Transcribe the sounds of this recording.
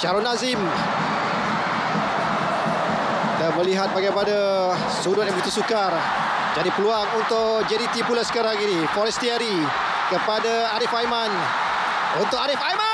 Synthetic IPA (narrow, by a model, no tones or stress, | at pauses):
t͡ʃaɾɔnãzɪm | dabəliɦat̪̚baɡajpada | sudʊt̪̚ɛmit̪usukar | d͡ʒadipəluaŋunt̪ʊʔ | d͡ʒɛɾit̪ipulasə̥kaɾaŋinifɔɾɛst̪iaɾi | kəpada | aɾifajman | unt̪ʊʔaɾifajma